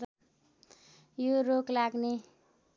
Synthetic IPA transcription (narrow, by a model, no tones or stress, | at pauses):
joroklaɡne